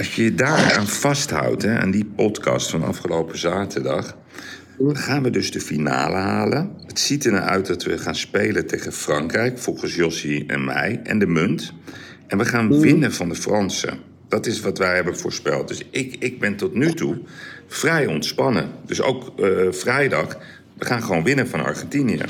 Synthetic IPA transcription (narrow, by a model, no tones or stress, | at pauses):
ɑsjəədaːɹaːnv̥ɑstɦʌ̰wtɦɛa̰ːndipɔtkɑ̰stfɑnɑ̰fχəlowpəzaːtʰədɑχ | χaːnʋədɵzdəfina̰ːləɦaːlənətsitəna̰œ̰ɥt̚dɑtʋəχaːnspejlətejχənfrɑŋkrɛjkfɔlˠχəsjɔsiɛ̰nmɛ̰jʔɛ̰ndəmɵnt | ʔɛnʋəχaːnʋɪnəvɑndəfrɑnsə̰ | d̥ɑtɪsʋɑtʋɛjɦɛbənvʊːɹspɛlˠt̚dɵsɪkɪɡ̚bɛntɔtnytufrɛjɔntspɑnə̰dɵso̰wkfrɛjdɑχ | ʋəχaːnχəʋownʋɪnəvɑnɑ̰ɹχɛntinijə̰